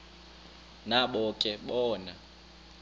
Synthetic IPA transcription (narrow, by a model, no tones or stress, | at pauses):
naɓɔkʼɛɓɔːna